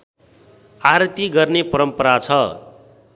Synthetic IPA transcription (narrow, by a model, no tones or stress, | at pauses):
aɾt̪iɡʌrnepʌɾʌmpʌɾat͡sʰʌ